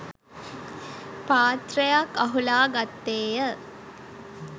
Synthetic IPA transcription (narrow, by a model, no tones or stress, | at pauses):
paːt̪rəjakːɐɦulaːɡat̪ːeːjə